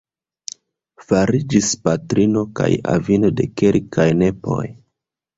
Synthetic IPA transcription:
faɾid͡ʒispatɾino̞ka̰ja̰vino̞de̞kelkʰajne̞po̞̰j

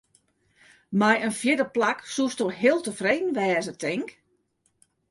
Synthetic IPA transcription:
majənfjɪdəplaksustoɦeːlˠtəfreːdn̩ʋɛːzətʰɪŋk

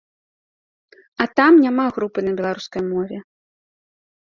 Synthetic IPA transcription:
ɐt̪amnʲamaɣɾupɨnɐbʲɛlˠaɾuskɐjmɔvʲɛ

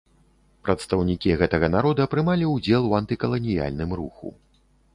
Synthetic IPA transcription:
pɾɐt̪st̪ɐwnʲikʲiɣɛt̪ɐɣɐnaɾɔd̪ɐɐpɾɨmalʲiwd͡zʲɛlˠuɐnt̪ɨkɐlˠɐnʲija̰lʲnɨmɾuxṵ

